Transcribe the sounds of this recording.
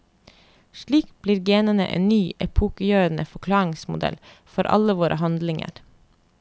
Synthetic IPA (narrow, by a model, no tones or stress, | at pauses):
ʃɭiːkb̥liːɾɡeːnənə̰ʔḛːnnyːʔɛpʰuːkəjøːɾənəfɔkʰlɑːɪŋsmʊ̰d̪ɛ̰l | fɔɾʔɑ̰ləʋoːɾʔəhɑnd̪lɪŋə̰ɾ